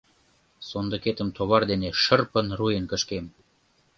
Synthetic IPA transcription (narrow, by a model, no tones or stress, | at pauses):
sond̪ə̆ket̪əmt̪ʰoβɑrd̪eneʃərpə̆nrujənkəʃkem